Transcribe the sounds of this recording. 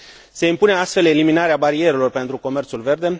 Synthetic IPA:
se̞impune̞ast̪fe̞leliminaɾeabaɾie̞ɾelo̞rpe̞nt̪ɾuko̞me̞rt̪sulve̞rd̪e̞

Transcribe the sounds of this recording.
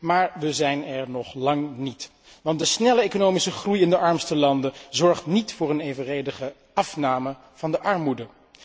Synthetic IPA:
maːɹʋəzɛjnɛɹnɔχlɑŋnit | ʋɑntdəsnɛləejkonowmisəχrujɪndəʔɑɹmstəlɑndəzɔɹχtnitfʊːɹənejvərejdəχə | ʔɑfnaːmə | v̥ɑndəʔɑɹmudə

